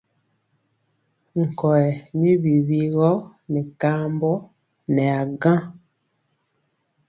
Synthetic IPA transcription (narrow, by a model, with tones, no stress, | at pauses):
ŋ̩˨kɔ˨ɛ˨mi˦βi˨βi˦ɣɔ˦nɛ˨ka˦mbɔ˦ | nɛ˨a˨ɡã˦